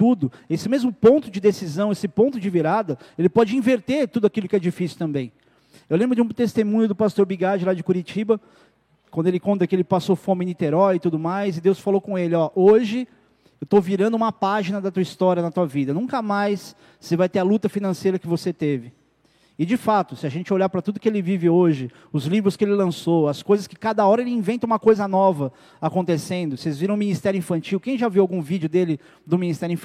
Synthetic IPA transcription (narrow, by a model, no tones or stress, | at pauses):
t̪ud̪ʊesɪmezmʊpõnt̪ʊd͡ʒɪd̪esizɐ̃w̃esɪpõnt̪ʊd͡ʒɪviɾad̪ɐelɪpɔd͡ʒɪĩveɾt̪eɾt̪ud̪ʊakilʊkɪɛd͡ʒifisiwt̪ɐ̃mbẽj̃ | ewlẽbɾʊd͡ʒɪũt̪est̪emũɲʊd̪ʊpast̪oɾbiɡad͡ʒɪlad͡ʒɪkuɾit͡ʃibɐ | kwɐ̃nd̪ʊelɪkõnt̪ɐkɪelɪpasofõmɪnit̪eɾɔjɪt̪ud̪ʊmajzɪd̪ewsfalowkõelɪɔʔoʒɪ | ewt̪owviɾɐ̃nd̪ʊũmɐpaʒinɐd̪ɐt̪uɐist̪ɔɾʲjɐnɐt̪uɐvid̪ɐnũŋkɐmajsː | ɪvajt̪eɐlut̪ɐfinɐ̃sejɾɐkɪvoset̪evɪ | ɪd͡ʒɪfat̪ʊsɪaɐʒẽnt͡ʃɪoʎaɾpɾɐt̪ud̪ʊkɪelɪvivɪoʒɪ | ʊzlivɾʊskɪelɪlɐ̃soɐskojzɐskɪ̥kad̪ɐɔɾɐelɪĩvẽnt̪ɐ̃ũmɐkojzɐnɔvɐ | akõnt̪esẽnd̪ʊsezviɾɐ̃w̃ʊmĩnist̪ɛɾjʊĩfɐ̃nt͡ʃiwkẽj̃ʒaviwawɡũvid͡ʒʊd̪elɪ | d̪ʊminist̪ɛɾʊĩf